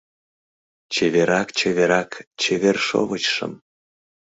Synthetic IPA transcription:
t͡ɕeβeɾɑkt͡ɕeβeɾɑkt͡ɕeβerʃo̰βət͡ɕʃə̰m

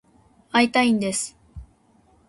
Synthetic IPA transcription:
ait̪aĩnd̪e̞sɨ̥

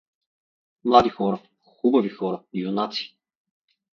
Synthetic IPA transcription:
mlˠad̪ixɔɾɐ | xubɐvixɔɾɐiunat̪si̥

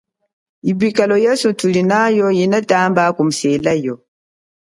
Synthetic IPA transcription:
ibikalɔjasutulinajɔjinataːmbaːkum̩selajɔ

